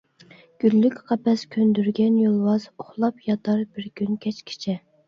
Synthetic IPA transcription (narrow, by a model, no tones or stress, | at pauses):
ɡ̥ʲylːykʲqʰɑpɛskʲʰønd̪yɾɡʲɛnjolˠwɑz̥oχlˠɑpjɑt̪ʰɑɾbɪɾkʲynkʲʰɛt͡ʃkʲʰi̥t͡ʃʰɛ